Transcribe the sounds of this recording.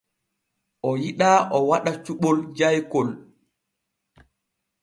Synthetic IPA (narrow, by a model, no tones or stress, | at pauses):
ʔɔjiɗaːʔɔwaɗat͡ʃuɓɔld͡ʒajkɔl